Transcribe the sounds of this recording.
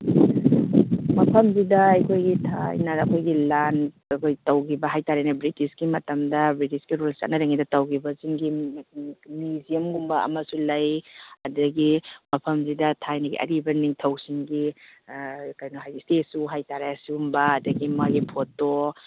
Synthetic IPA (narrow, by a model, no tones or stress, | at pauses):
mɐpʰɐmzidɐɐjkʰojɡitʰa̰jnɐɾɐkʰojɡilan | ɐkʰojtɐwɡibɐɦajtaɾajnɐbɾitisɡimɐtɐmdɐbɾitisɡiɾulsa̰t̚nɐɾaŋidɐtɐwɡibɐziŋɡi | nizijɐmɡumbɐɐ̰mɐsulɐjɐdɐɡimɐpʰɐmzidɐtʰajnɐɡḭʔɐ̰ɾibɐniŋtʰɐwsiŋɡi | kajnuɦajistetsuɦajtaɾajasiumbɐːdɐɡimaɡipʰoto